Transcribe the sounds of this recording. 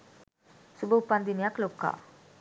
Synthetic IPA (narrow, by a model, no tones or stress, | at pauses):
subʱɐupːand̪inijaklokːa̰